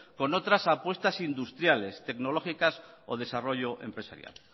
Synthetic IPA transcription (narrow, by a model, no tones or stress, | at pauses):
ko̞no̞t̪ɾasapwe̞st̪asind̪ust̪ɾjale̞st̪e̞kno̞loxikasoð̞e̞saro̞ʝoʔe̞̰mpɾe̞sa̰ɾja̰l